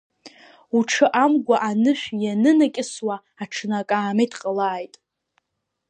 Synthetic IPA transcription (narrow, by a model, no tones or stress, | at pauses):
uʈ͡ʂʰɨʔamɡʷaʔanɨʃᶣʷjanɨnakʲʼɪswa | aʈ͡ʂʰnakʼaːmejtʰqʼəlaːjtʼ